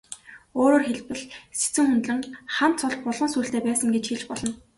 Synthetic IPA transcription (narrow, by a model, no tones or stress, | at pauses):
oːɾoːrxeɮpɘ̆ɮse̥t͡sɘ̆ŋxunt̪ɮɘ̆ŋχam̥t̪t͡sʰʊɮpʊɮʁɞ̆nsuːɬt̪eːpæːsə̆ŋɡet͡ɕxiɮt͡ɕpɔɮɞ̆n